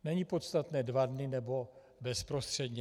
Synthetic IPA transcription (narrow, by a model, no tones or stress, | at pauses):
nɛɲipo̞t̪st̪at̪nɛːdvadnɪnɛbo̞ | bɛspɾo̞st̪r̝̥ɛd̪ɲɛ